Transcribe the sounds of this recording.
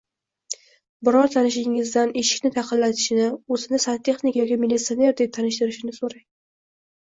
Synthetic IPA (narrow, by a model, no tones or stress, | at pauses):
bɪɾɒɾt̪ʰanɪʃɪŋɪzd̪aneʃɪ̥kʲnɪt̪ʰɑqʰɨlːat̪ʰɪ̥ʃɪnɪozɪnɪsant̪ʰe̞χnikajɒkʲamɪlːit̪sione̞ɾd̪ep̚t̪ʰanɪʃt̪ɪɾɪʃɪnɪsoɾa